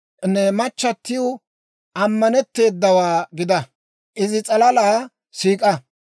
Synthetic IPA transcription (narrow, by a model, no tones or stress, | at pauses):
nːɛmɐt͡ʃːɐt̪ːɪjo | ʔɐmːɐnɛt̪ːe̞ːd̪ːɐwaːɡɪd̪ɐ | ʔɪzɪt͡sʼɐlɐlaː | siːkʼɐ